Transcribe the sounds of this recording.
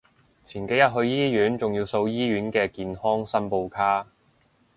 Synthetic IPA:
t͡sʰiː˨˩nke˨˥jɐ˥t̚ɦɵ˧ɥjiː˥jyː˨˥nt͡sʊ˨ŋji˧wso˧wjiː˥ɥyː˨˥nkɛː˧kiː˨nhɔː˥ŋsɐ˥npo˧wkʰaː˥

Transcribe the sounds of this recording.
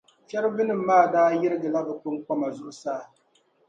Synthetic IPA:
fɛ˦ɾɨ˦bɨ˦nɨ˨m̩ː˦aː˦˨daː˦jɪ˦ɾɨ˦ɡɨ˨la˦bɨ˨kʊ˦n˦k͡pɔ˦ma˨zʊ˦ʔʊ˦saː˦˨

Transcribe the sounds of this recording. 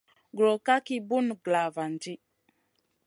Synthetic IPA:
ɡɾo˨ka˦ki˦bu˦n˨ɡla˨va˨nd͡ʒi˦

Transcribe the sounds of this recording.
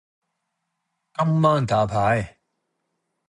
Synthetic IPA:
ka˥mːaː˥˨n˨t̪aː˨˦pʰa˨˦j

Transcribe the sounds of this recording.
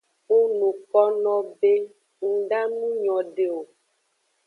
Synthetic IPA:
u˦nũ˨kɔ˦nɔ̃˦be˦ | ŋ̩˦ɖa˦nũ˦ɲɔ̃˨ɖe˨o˨

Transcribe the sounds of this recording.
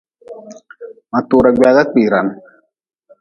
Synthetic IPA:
ma˨t̪uː˨ɾa˨ɡ͡ba˨ɡa˦k͡piː˨ɾa˨n

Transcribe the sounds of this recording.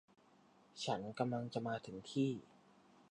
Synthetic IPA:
t͡ɕʰa˦˥nka˧mla˧ŋt͡ɕa˨˩maː˧t̪ʰɯ˩˦ŋt̪ʰiː˥˩

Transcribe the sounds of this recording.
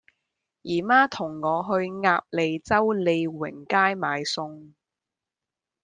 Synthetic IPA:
jiː˨˩maː˥t̪ʰʊ˨˩ŋːɔː˨˧ɦɵ˧ɥŋaː˧p̚le˨˧jt͡sɐ˥wle˨˧jwɪ̰˨˩ŋkaː˥jmaː˨˧jsʊ˧ŋ

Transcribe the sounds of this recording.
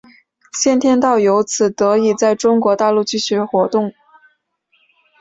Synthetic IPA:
ɕjɛ˥˧nt̪ʰjɛ˥nt̪ɑ˥˩ʊjo˧˥ʊt͡sʰɹ̩˨˩t̪ɤ˧˥i˨˩t͡sa˥˩ɪʈ͡ʂʊ˥ŋkwɔ˧˥t̪a˥˧lu˥˩t͡ɕy˥˩ɕɥɛ˧˥xwɔ˧˥t̪ʊ˥˩ŋ

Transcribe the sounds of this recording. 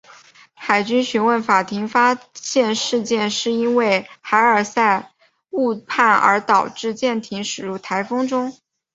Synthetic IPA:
xa˨˩ɪt͡ɕy˥nɕy˧˥nwə˥˩nfa˨˩t̪ʰi˧˥ŋfa˥ɕjɛ˥˧nʂɻ̩˥˧t͡ɕjɛ˥˧nʂɻ̩˥˩i˥nwe˥˩ɪxa˧˥ɪə˞˨˩sa˥˧ɪ | u˥˧pʰa˥˩nə̰˞˧˥t̪ɑ˨˩ʊʈ͡ʂɻ̩˥˧t͡ɕjɛ˥˩nt̪ʰi˧˥ŋʂɻ̩˨˩ɻu˧˥˩t̪ʰa˧˥ɪfɤ˥ŋʈ͡ʂʊ˥ŋ

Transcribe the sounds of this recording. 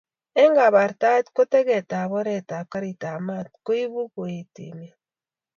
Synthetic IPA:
e˦ŋɡa˨βa˨ɾta˦tko˦te˦ɣe˨ta˨βo˦ɾe˨ta˨ka˦ɾi˨ta˨ma˦˨tku˦i˦βu˦kwe˨tḭ˨ne˨

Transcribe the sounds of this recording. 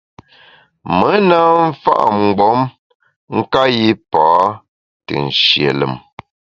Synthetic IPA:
mə˨˦na˦ɱ̩˦fa̰˦ʔm̩˨ɡ͡bɔ˨˦m | ŋ̩˦ka˦ji˦paː˦ | tɨ̰˨n̩˨ʃjḛ˨lə̰˨m

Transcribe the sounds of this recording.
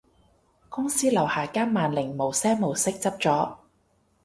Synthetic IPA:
kʊ˥ŋsiː˥lɐ˨˩whaː˨˩kaː˥nmaː˨nlɪ˨˩ŋmo˨˩wsɛː˥ŋmo˨˩wsɪ˥k̚t͡sɐ˥p̚t͡sɔː˨˥

